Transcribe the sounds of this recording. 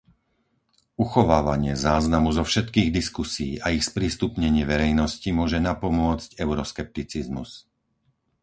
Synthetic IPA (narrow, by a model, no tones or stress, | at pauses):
uxɔʋaːʋaɲɪɛzaːznamuzɔfʃɛt̪kiːɣd̪iskusḭːʔaixspɾiːst̪upɲɛɲɪɛʋɛɾɛjnɔscimʊɔʒɛnapɔmʊɔt͡scɛʊɾɔskɛp̚t̪it͡sizmṵs